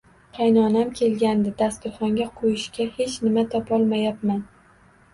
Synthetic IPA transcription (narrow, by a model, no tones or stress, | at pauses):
qʰɑjnɒnamkʲʰe̞lɡʲand̪ɪd̪ast̪ʊɾχɒŋɡʲaqʰojɪʃkʲahe̞t͡ʃnɪmat̪ʰɒpɒlˠmajap̚man